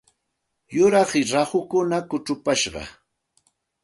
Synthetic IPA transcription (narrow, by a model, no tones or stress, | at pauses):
jʊɾɑχɪɾɑhʊkʊnakʊʈ͡ʂʊpaʃɢɑ̰